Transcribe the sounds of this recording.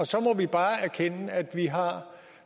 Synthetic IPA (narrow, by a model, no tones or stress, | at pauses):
ɒ̽sɒ̽mɒʋib̥ɑ̈ːæɐkʰenəæd̥ʋiɦɑ̈